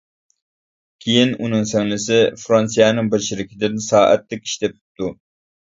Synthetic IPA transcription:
kʲʰejinunɨŋsɛŋlɪsɪfɾɑnsijɑnɨŋbɪɾʃɪɾɪkʲʰɪd̪ɪnsɑːʔɛ̰t̪ːɪk̚ʲi̥ʃt̪ɛpʰp̚t̪u

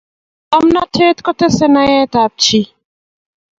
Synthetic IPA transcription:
amnat̪ʰeːt̪kɔt̪esɛnajɛ̃t̪aːp̚t͡ʃʰi

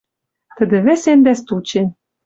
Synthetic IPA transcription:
t̪ə̆d̪ɘ̆βɘ̆send̪æst̪ut͡ɕen

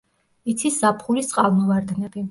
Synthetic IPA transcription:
it̪sʰiszapʰχuɾisʼqʼalˠmɔvaɾd̪nɛbi

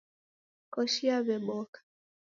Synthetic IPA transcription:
kɔʃiaβɛɓɔkḁ

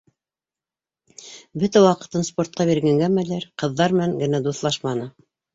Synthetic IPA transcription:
bɵt̪æwɑqɤ̆t̪ɤnspo̞ɾt̪̚qɑbiɾɡæŋɡæmælæɾqɤ̆ðːɑɾmɘ̆næŋɡɘ̆næd̪uθlˠɑʃmɑnɤ

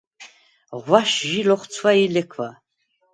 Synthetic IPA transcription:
ʁʷwaʃʒilɔχʷt͡sʰwailɛkʰva

